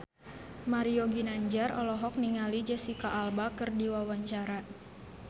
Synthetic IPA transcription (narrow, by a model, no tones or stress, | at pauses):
maɾioɡinaɲd͡ʒarɔ̰lɔɦɔk̚niŋalid͡ʒəsikaʔːlbakɨrdiwawaɲt͡ʃaɾa